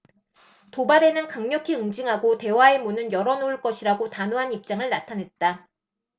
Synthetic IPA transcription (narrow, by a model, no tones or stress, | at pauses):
tobaɾe̞nɯnkaŋɲʌkʰiɯŋd͡ʑiŋɦaɡote̞wae̞munɯnjʌɾʌnouɭk͈ʌɕʰiɾaɡotanoɦanip̚t͡ɕ͈aŋɯɭnatʰanɦe̞t̚t͈a